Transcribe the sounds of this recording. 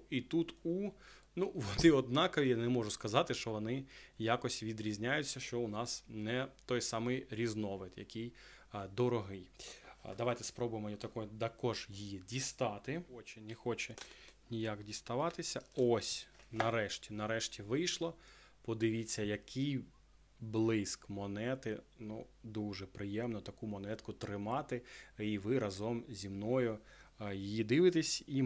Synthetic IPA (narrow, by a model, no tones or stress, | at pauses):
it̪ut̪u | nuʋɔd̪ɪɔd̪nɑkɔʋʲijanɛmɔʒʊskɐzɑt̪ɪʃt͡ʃɔʋɔnɪjakɔsʲʋʲid̪ɾʲizʲnʲajʊt͡sʲːɐʃt͡ʃɔʊnɑsnɛt̪ɔjsɑmɪjɾʲiznɔʋɪt̪jɐ̰kʲij | d̪ɔɾɔɦɪjd̪ɐʋajt̪ɛspɾɔbʊjɪmɔjɔt̪ɐkɔjʊd̪ɐkɔʒjijidʲist̪ɑt̪ɪɔt͡ʃɛnʲɛxɔt͡ʃɛnʲijakdʲist̪ɐʋɑt̪ɪsʲɐɔsʲnɐɾɛʃtʲinɐɾɛʃtʲiʋɪjʃlˠɔ | pɔd̪ɪʋʲit͡sʲːɐjɐkʰɪj | blˠɪskmɔnɛt̪ɪnud̪uʒɛpɾɪjɛmnɔt̪ɐkumɔnɛt̪kʊt̪ɾɪmɑt̪ɪiʋɪɾɐzɔmzʲimnɔjʊjijid̪ɪʋɪt̪esʲi